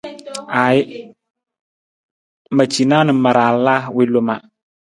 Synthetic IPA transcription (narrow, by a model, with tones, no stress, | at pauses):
a˨jɪ˦ | ma˨t͡ʃi˨na˦nɨ˨ma˨ɾaː˨la˦wɪ˦lo˨ma˨